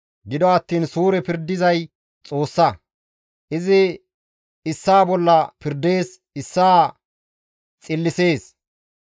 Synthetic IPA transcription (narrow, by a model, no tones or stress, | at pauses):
ɡɪd̪ɔɐt̪ːiːnsuːɾɛpɪɾd̪ːɪzɐj | t͡sʼo̞ːsːɐ | ʔɪzɪ | ɪsːaːbɔlːɐpɪɾd̪e̞ːs | ɪsːaː | t͡sʼɪlːɪse̞ːs